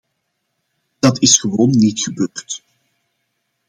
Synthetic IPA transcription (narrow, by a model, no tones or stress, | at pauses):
d̥ɑtɪsxəʋoːnːitxəbøːrt